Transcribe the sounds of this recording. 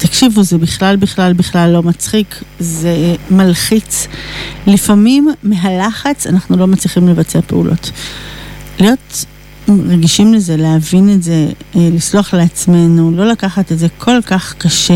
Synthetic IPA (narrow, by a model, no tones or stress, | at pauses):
takʃivuzebiχlalbiχlalbiχlalːo̞mat͡sχikzemalχit͡s | lifamimːeɦalaχat͡sanaχnulo̞mat͡sliχimle̞vat͡seape̞ṵlʔo̞̰t | lijo̞t | ʁeɡiʃimleze̞lehavinetze̞lisloaχleat͡sme̞nulo̞lakaχatetze̞kʰo̞lkaχkaʃe